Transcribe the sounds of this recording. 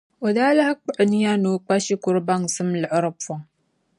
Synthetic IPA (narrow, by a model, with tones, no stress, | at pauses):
o˨daː˦la˦hk͡pɨ˦˨ʔni˦ja˦no˨k͡pa˦ʃi˦kʊ˨˦ɾba˦ŋ˨sɨ˦mlɨ˨ʔɾɨ˦pfɔ˨ŋ